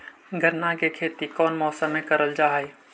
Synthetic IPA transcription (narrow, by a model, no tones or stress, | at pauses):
ɡʱəɾnakekʰeːt̪ikɔːnmɔːsəmẽkəɾəld͡ʒaːɦe